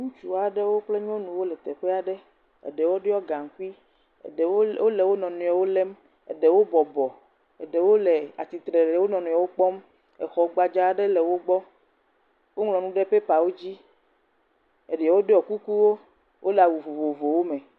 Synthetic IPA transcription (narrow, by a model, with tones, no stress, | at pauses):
ŋũ˦t͡ʃu˨a˨ɖe˦wo˦k͡ple˦ɲ˦ɔ̃˦nũ˨wo˦lɛ˨t̪e˨ɸe˦a˨ɖe˦ | ḛ˨ɖe˨wo˦ɖe˦ɔ˦ɡa˨ŋ̩˨ku˦i˦˨˦ | o˦le˨wo˦nɔ̃˨nũ˨a˨wo˦le˦m | ḛ˨ɖe˨wo˦bɔ˨bɔ˨ | ḛ˨ɖe˨wo˦le˨a̰˨t̪i˨t̪ɾe˨le˨wo˦nɔ̃˨nũ˨a˨wo˦k͡pɔ˦m | ɛ˨xɔ˨ɡ͡ba˨d͡ʒa˦˨ɖe˦le˨wo˦ɡ͡bɔ˦ | wo˦ŋlɔ̃˨nũ˦ɖe˦ɸe˦pa˨wo˦d͡ʑi˦ | e˨ɖɛ˨ɛ˨wo˦ɖe˦ɔ˨ku˦ku˦wo˦ | wʔo˦le˨a˨wu˨vo˨vo˨vo˨wo˦me˨